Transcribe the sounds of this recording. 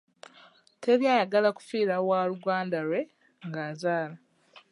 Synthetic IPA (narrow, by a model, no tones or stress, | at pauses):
tʰe̞ɾjaːjaɡalaku̥fiːɾawaluɡaːndaɾwe̞ | ŋɡaːzaːla